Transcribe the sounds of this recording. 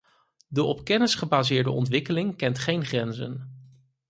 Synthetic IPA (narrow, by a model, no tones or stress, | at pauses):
dəʔɔpkɛnəsχəbaːzɪːɹdəɔ̰ntʋɪkəlɪŋkɛntχejnχrɛnzə̰n